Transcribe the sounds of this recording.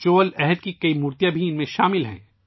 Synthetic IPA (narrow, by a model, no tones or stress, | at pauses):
t͡ʃoːlɛɦɛd̪kikɐimuːɾt̪jãbʱiɪnmẽʃaːmɪlɦɛ̰̃ː